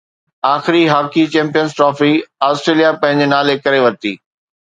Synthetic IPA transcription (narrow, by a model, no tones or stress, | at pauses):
aːxɪɾiɦaːkit͡ɕɛ̃ːmpijənzʈɾɔːfiaːsʈɾeːlijapɐ̃ɦɪ̃ɲd͡ʑenaːlekɐɾeʋɐɾt̪ḭː